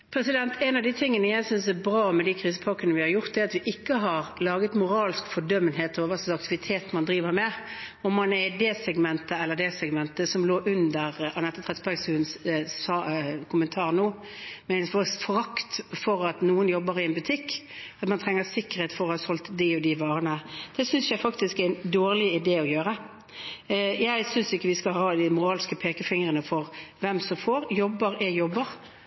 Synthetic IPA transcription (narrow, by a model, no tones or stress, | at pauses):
pʰɾɛsɪd̪ɛnt̪ʰɛnɑʋd̪it̪ʰɪŋːənəjæɪsʏnsæbɾɑːmɛd̪ikʰɾiːs̬əpʰɑkənəʋɪhɑɾjʊɾt̪̚d̪ɛːɾɑt̪ʋɪʔɪkːəɦɑɾlɑːɡət̪mʊɾɑːlskfɔɖœmːənɦeːt̪ɔʋɑsɔɑk̚t̪ɪʋɪt̪ʰeːt̪mɑnd̪ɾiːʋəɾmɛɔmːɑnɛd̪ɛːsɛɡmɛnt̪əɛlːəɾd̪ɛsɛɡmɛnt̪əsɔmloːʔʉnd̪əɾɑnɛt̪ːət̪ʰʁɛt̪sbæɡsʉːnssɑkʰʊmənt̪ʰɑːʁnoː | mɛɪnfɔsfɔʁɑkt̪fɔɾɑt̪nuːənjɔbːəɾɪɛnbʉt̪ʰɪkːɑt̪mɑnt̪ʰʁɛŋːəʁsɪkːəɾheːt̪fɔʁɔhɑːsɔlt̪d̪ɪɔd̪ɪʋɑːʁənəd̪̥ɛsʏnsjæɪfɑkt̪ɪskæɪnd̪oːʁlɪɪd̪eːɔjøːɾə | jæɪsʏnsɪkːəʋɪskɑlhɑːd̪ɪmʊɾɑːlɪskəpʰeːkəfɪŋʁənəfɔʁʋɛmsɔmfoːɾjɔbːəɾɛjɔbːəɾ